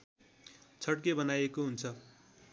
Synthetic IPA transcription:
t͡sʰʌʈkebʌnajekoɦunt͡sʰʌ

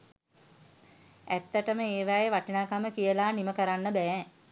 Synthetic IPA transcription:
æt̪ːəʈəməeːʋaːjeʋaʈinaːkaməkijəlaːniməkəɾanːəbæɛ

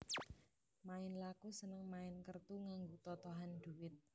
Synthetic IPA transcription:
maɪnlakusənəŋmaɪnkərt̪uŋaŋɡot̪ɔt̪ɔɦand̪̥uwɪt̪̚

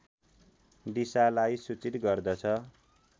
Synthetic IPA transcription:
d̪isalajsut͡sit̪ɡʌrd̪ʌt͡sʰʌ

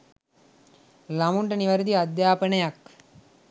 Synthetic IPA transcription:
lɐmuɳɖɐniʋɐɾd̪iɐd̪jaːpɐnɐjɐk

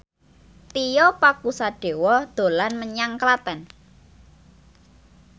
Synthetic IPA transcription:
t̪ijɔpakusaɖ̥e̤wɔd̪̥o̤lanməɲaŋklat̪ɛn

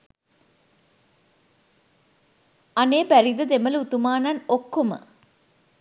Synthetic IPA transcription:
aneːpæɾid̪əd̪emələut̪umaːnanokːomə̰

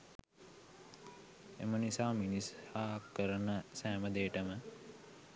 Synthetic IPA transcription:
ḛmənisaːminishaːkəɾənəsæːməd̪eːʈəmə

